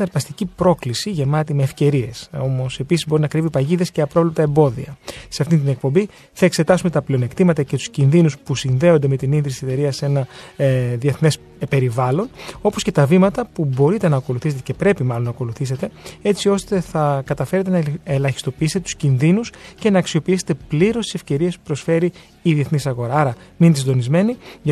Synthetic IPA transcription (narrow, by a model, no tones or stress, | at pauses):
nɐɾpɐst̪icipɾo̞klisiʝe̞mɐt̪ime̞ːfce̞ɾie̞so̞mo̞se̞pisizbo̞ɾinɐkɾivipɐʝiðe̞sceɐpɾvlept̪ɐembo̞ðḭɐ̰se̞ɐft̪int̪inek̚po̞mbi | θɐe̞kse̞t̪ɐsume̞t̪ɐpleo̞ne̞kt̪imɐt̪ɐce̞t̪u̥scinðinuspusinðe̞ond̪e̞me̞t̪ininðɾisise̞t̪e̞ɾiɐse̞nɐ | ðie̞θne̞s | pe̞ɾivɐlo̞no̞po̞sce̞t̪ɐvimɐt̪ɐpubo̞ɾit̪e̞nɐːko̞luθise̞t̪ecepɾe̞pimɐlo̞nɐko̞luθise̞t̪e̞e̞t͡sio̞st̪e̞θɐkɐt̪ɐfe̞ɾe̞t̪̬e̞nɐelɐçi̥st̪o̞piist̪et̪u̥scinðinusce̞nɐːksio̞piiset̪e̞pliɾo̞st̪ise̞fce̞ɾiespu̥pɾo̞sfe̞ɾiː | ðieθnisɐɣo̞ɾɐɐɾɐminesind̪o̞nizme̞niʝ